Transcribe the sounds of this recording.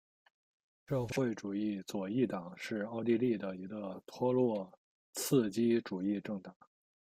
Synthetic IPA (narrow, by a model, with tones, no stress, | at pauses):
ʂɤ˥˧xwe˥˩ɪʈ͡ʂu˨˩i˥˩t͡swɔ˨˩i˥˩t̪ɑ˨˩˦ŋʂɻ̩˥˧ɑ˥˧ʊt̪i˥˧li˥˩d̪ə˩i˧˥ɡə˧t̪ʰwɔ˥lwɔ˥˩ | t͡sʰɹ̩˥˩t͡ɕi˥ʈ͡ʂu˨˩i˥˧ʈ͡ʂɤ˥˩ŋt̪ɑ˨˩˦